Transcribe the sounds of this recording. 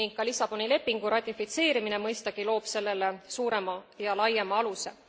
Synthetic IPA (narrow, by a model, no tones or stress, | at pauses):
niŋɡk̚kːɑlisɑb̥o̞nile̞pːiŋɡ̥uɾɑt̪ʲːˑifit̪se̞ːɾimine̞mɤjst̪ɑɡ̥ilo̞ːpse̞lːe̞lesuːɾe̞mɑjɑlɑjːemɑɑluse̞̰